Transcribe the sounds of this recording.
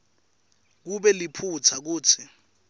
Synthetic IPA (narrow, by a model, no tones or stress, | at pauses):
k̬uɓɛlipʰut͡sʰak̬uːt͡sʰi